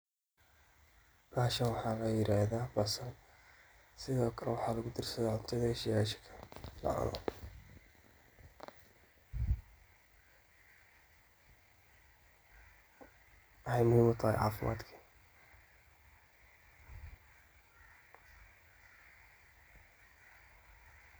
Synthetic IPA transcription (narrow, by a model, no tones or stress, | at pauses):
baːʃɐnwɑħɑːlɐjɪɾaːðaːbɐsɐn | sɪðɔːkʰɐlɛwɑħɑːlɐɣʊd̪ɪrsɐðɛːʕʊnt̪ʰɐðɐɪʃɪjaːʃɪ̥kʰɐ̥lɐ̰ʕa̰nɔ̰ | hɛjmʊɪwʊt̪ʰahɛ̰ʕɑ̰ːfɪmʔa̰ːd̪kʰi